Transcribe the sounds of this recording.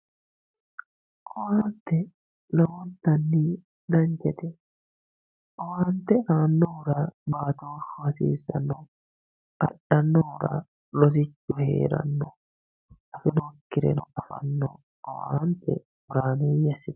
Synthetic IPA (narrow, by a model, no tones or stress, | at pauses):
kɔwaːnt̪ɛ | nɐwɔnt̪ɐnːiː | d̪ɐɲd͡ʒɛt̪ɛ | kɔwaːnt̪ɛʔaːnːɔʊɾaːbaːt̪oːʃɔɐsḭːsɐ̰nːɔ | ʔɐ̰ᶑɐnːɔɔɾa̰ː | lɔs̬ɪt͡ʃːʊhḛːɾɐ̰nːɔ | ʔɐfɪnokːɪɾɛ̰nɔʔɐfɐ̰nːɔ̰ | ɔwa̰ːnt̪ɛ̰ | ɔɾaːneːjɐsɪt̪